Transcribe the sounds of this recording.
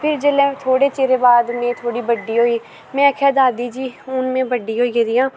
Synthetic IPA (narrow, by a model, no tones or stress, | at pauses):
pʰɪɾd͡ʒelẽːt̪ʰoːɽeːt͡ʃeːɾeːbaːd̪mẽːt̪ʰoːɽiːbəɖːiːɦoːiː | mɛ̃ːəkʰɛːd̪aːd̪iːd͡ʒiːʊnmẽːbəɖiːɦoːied̪ɪːãː